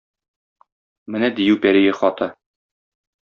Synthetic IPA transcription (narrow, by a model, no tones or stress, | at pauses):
mɘnæd̪ijʉwpæɾijɘχɒt̪ɤ